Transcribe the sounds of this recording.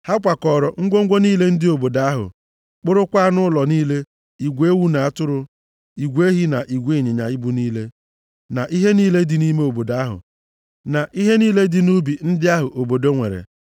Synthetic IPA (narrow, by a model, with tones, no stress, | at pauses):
ha˦kʷa˨kɔ˨ɾɔ˨ŋ̩˦ɡʷo˦ŋ̩˦ɡʷo˦niː˦le˦n̩˦dɪ˦o˨bo˨da˦ɦʊ̰˨ | k͡pʊ˦ɾʊ˦kʷa˦nʊ˦lɔ˨niː˦le˦ | i˨ɡʷe˦wu˦na˨a˦tʊ˦ɾʊ˦ | i˨ɡʷe˦ɦi˦na˨ʔi˨ɡʷe˦˨ɲɪ˨ɲa̰˨i˦bu˦niː˦le˦ | na˨ʔi˦ɦe˦niː˦le˦dɪ˨ni˦me˦o˨bo˨da˨˦ɦʊ̰˨ | na˨ʔi˦ɦe˦niː˦le˦dɪ˨nu˦bi˨n̩˦dɪ˦a˦ɦʊ˨ʔo˨bo˨do˦ŋʷe˨ɾḛ˨